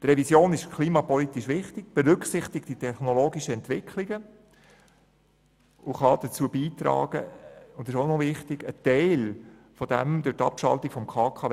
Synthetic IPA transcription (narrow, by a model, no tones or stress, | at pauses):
t̪ɾɛvisjoːnɪʃkʰliːmɑpɔlit̪iʃʋɪχtɪɡ̥̚b̥ɛɾʏksɪχt̪ɪk̚t̚d̥itʰɛχnɔloːɡiʃəɛnt̪ʋɪkʰliɡə | ʊχɑd̥̪ət͡suːəbiːt̪ɾɑ̰ːɡ̥ə̰ʊndɪʃonɔvɪχt̪ɪɡ̥ətɛɪl | fɔd̥ɛmd̥ʊtɑ̰pʃɑ̰lt̪ikfɔmkʰɑːkʰɑ